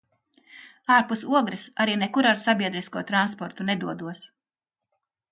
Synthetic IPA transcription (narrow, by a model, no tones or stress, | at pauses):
aːɾpusuɔɡɾisaɾiːnekuɾaɾsabʲiɛd̪ɾiskuɔt̪ɾanspɔɾt̪unɛd̪uɔd̪uɔs